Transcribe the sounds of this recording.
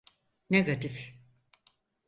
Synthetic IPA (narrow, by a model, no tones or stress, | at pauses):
neɡat̪if